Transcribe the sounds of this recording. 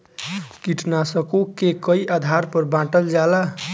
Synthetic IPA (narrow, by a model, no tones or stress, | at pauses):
kiʈnasəkokekəiʔad̪ʱaɾpəɾbãʈəld͡ʒala